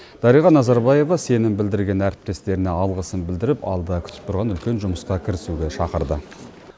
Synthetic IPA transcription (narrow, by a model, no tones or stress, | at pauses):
d̪̥ɑɾijʁɑnɑzɑɾbɑje̞vɑse̞nɪmbɪld̪ɪɾɡʲe̞næɾɪp̚t̪e̞st̪e̞ɾɪneɑlˠʁəsəmbɪld̪ɪɾɪpɑ̰lˠd̪ɑkʲʰʏ̥t̪ɪ̥p̚t̪ʰʊɾʁɑnʏlkʲe̞nʒʊməsqɑkʲʰɪɾɪsuɡʲe̞ʃɑqəɾd̪ə